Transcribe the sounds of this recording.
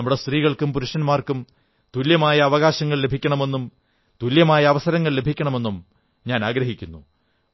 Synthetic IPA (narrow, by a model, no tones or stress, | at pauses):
ɐmːuɽest̪riːɣɐɭkumpuɾuʂɐnmaːrkum | t̪uljɐmaːjɐːʋɐɣaːɕɐŋːɐɭle̞bʱikʲːɐɳɐme̞nːum | t̪uljɐmaːjɐːʋɐsɐɾɐŋːɐɭle̞bʱikʲːɐɳɐme̞nːum | ɲaːnaːɡɾɐɦikʲːunːu